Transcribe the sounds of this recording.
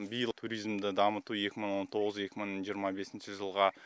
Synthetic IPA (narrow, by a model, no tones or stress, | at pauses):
bijəlˠt̪ʰuɾʲijzmd̪ɪd̪ɑmət̪uje̞kʲɪməɴwo̞nt̪ʰo̞ʁəze̞kʲɪməɴʒijəɾmɑbe̞sɪnʃɪʒəlˠʁɑ